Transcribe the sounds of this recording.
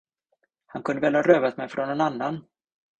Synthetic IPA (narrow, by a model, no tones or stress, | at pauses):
hankʰɵnd̪əvɛːlhɑɾøːvat̪mɛjfɾɔnɛnanːan